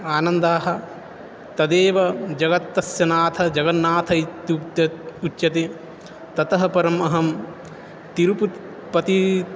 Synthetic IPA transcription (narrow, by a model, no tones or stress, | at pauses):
aːnɐnd̪aːɦɐ̆ | t̪ɐd̪eːʋɐd͡ʒɐɡɐt̪ːɐsjɐnaːt̪ʰɐd͡ʒɐɡɐnːaːt̪ʰɐit̪ː | ut̪jɐt̪e | t̪ɐt̪ɐɦɐpɐɾɐmɐɦɐm | t̪iɾupu | pɐt̪i